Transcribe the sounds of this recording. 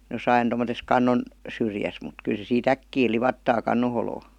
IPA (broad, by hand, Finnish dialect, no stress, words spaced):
josɑin tomotes kɑnːon syrjæs mut kyl se siːt ækːiː liʋɑtːɑː kɑnːo holoː